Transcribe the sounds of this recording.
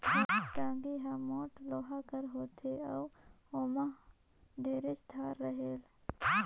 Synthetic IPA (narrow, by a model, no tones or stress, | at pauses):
ʈ̪ãːɡiɦamoːʈloːɦakəɾɦoːt̪ʰeɐw | oːmã | ɖʱeːɾet͡ʃt̪ʰaːɾːəɦeːl